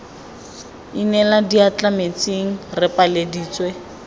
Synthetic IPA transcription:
inɛladiat͡ɬʼamet͡sʼiŋ̩rɪpʼalediːt͡swe

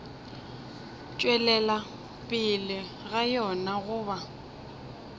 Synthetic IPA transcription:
t͡ʃʼwɛlɛla | pʼɪlɪ | ɣajɔnaɣʊːba

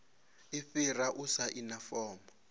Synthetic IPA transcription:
iɸiraʔusaʔinafɔːmɔ

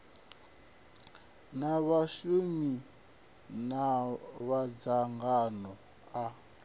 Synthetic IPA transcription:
naβaʃumi | naβad͡zaŋɡanɔ | a

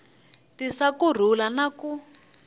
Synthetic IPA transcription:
tisakur̤ulanaku

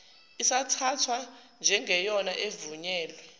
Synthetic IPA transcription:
isatʰatʰwand͡ʒʱɛŋʱɛjɔnaʔevuɲɛːlwɛ

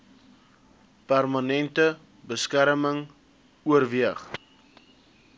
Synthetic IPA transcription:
pærmɐnɛntə | bəskæɾməŋ | uərviəχ

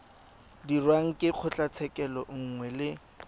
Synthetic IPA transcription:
dirwaŋ̩kʼɪq͡χʰʊt͡ɬʼat͡sʰɛkʼɛlɔŋ̩ŋwɛlɪ

